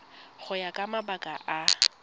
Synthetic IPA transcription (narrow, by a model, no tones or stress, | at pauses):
χʊjakʼamabakʼaʔa